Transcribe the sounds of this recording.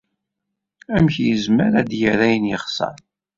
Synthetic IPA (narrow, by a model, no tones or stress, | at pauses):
æmçjəzməɾæd̪jəɾæjənjəχsɑ̰ɾ